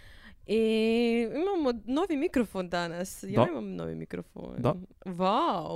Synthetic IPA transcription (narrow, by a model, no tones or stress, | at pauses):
i | imamonoʋimikɾofond̪anasjaimamno̰ʋḭmḭkɾofo̰nwaw